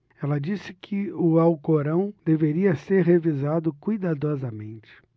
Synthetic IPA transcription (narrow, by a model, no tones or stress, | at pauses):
ɛlɐd͡ʒisɪkʰɪʊawkoɾɐ̃w̃d̪eveɾiɐseɾɦevizad̪ʊkujd̪ad̪ɔzɐmḛ̃nt͡ʃɪ̥